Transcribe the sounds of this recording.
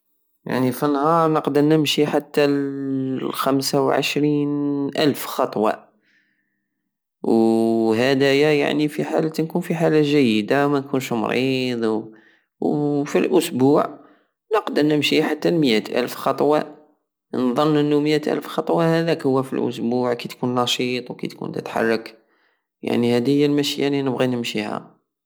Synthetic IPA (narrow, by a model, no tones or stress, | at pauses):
ja̰ʕnifənhɑɾˤnəqd̪əɾˤnəmʃiħat̪ːa | xæmsawʕə̰ʃɾinʔæ̰lfxɑt̪ˤwɑ̰ | whæd̪æjæja̰ʕnifiħa̰lət̪nkunfiħalaʒæjːəd̪awmænkunʃmɾid̪ˤw | wfilʔʊsbuʕ | nəqd̪əɾˤnəmʃihħat̪ːælməjæt̪ʔæ̰lfxɑt̪ˤwɑ̰ | nðˤənːʔənːuməjæt̪ʔæ̰lfxɑt̪ˤwɑhæd̪ækhʊwːæfḭlʔʊ̰sbuʕkæt̪kunnɑʃit̪ˤwkæ̰t̪kṵnt̪ə̰t̪ħɑ̰rˤːɑk | ja̰ʕnihæd̪əjːəlmæʃjæninəbɣinəmʃihæ̰